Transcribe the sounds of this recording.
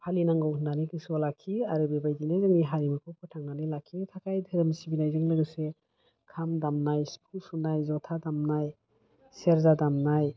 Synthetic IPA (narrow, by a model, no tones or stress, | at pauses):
pʰalinaŋɡɔwʰnanikɯsɔlakʰːiaɾɯbebajdinezɯŋniɦaɾimɯkʰɔpʰɯtʰaŋnanilakʰːintʰakʰajdʰɯɾɯmsibinajzɯŋlɯɡɯse | kʰamdamnajspʰusunajzɔtʰadamnaj | seɾzadamnaj